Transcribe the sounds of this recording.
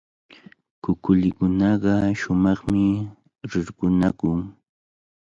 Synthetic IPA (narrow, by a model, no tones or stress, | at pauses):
kʊkʊlɪkʊnɑɢɑʃʊmɑχmɪ | ɾɪɾɢʊnakʊŋ